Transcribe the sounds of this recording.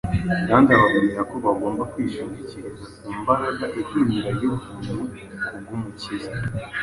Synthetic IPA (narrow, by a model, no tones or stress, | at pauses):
kaːndaβaβumeɾakoβaɡo̞ːmbakwiːʃiːɲɟiciɾazakumbaɾaɡaʔikimiɾajovunu | bjumuciɡa